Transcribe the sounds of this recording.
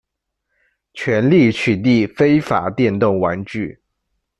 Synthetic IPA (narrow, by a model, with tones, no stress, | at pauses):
t͡ɕʰɥɛ˧˥nli˥˩˨t͡ɕʰy˨˩t̪i˥˩fe˥ɪfa̰˨˩˦t̪jɛ˥˧nt̪ʊ˥˨˩ŋwa˧˥nʈ͡ʂy˥˩